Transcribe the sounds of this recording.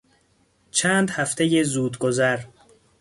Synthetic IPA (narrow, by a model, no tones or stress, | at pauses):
t͡ʃʰæːnd̪hæft̪ʰe̞jezuːd̪ɡozæɾ